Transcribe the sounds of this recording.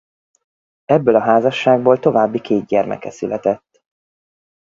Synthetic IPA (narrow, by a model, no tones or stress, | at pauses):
ɛbːøːlɒɦaːzɒʃːaːɡ̚boːlt̪o̞vaːbːikʰeːd̪ɟɛrmɛ̰kɛsylɛt̪ɛt̪ː